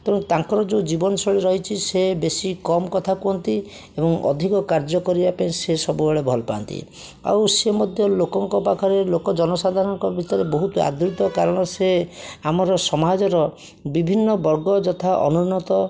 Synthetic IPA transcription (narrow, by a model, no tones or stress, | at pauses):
k̪ɔ̃ũt̪aŋkɔɾɔd͡ʒod͡ʒibɔnɔsɔɽiɾɔɦit͡ʃʰisebesikɔmkɔt̪ʰakuɔnt̪i | ebɔŋɔ̰d̪ʱikɔkaɾd͡ʒɔkɔɾibapaĩsesɔbubeɭebʱɔlɔpa̰ːnt̪ḭ | a̰wsemod̪ʱjɔlokɔŋkɔpakʰɔɾelokɔd͡ʒɔnɔsad̪ʱaɾɔŋkɔbit͡ʃaɾebɔɦut̪a̰d̪ɾut̪ɔkaɾɔɽ̃ɔseamɔɾɔsɔmad͡ʒɔɾɔ | bibʱinːɔbɔɾɡɔd͡ʒɔt̪ʰaʔɔ̰nunɔt̪ɔ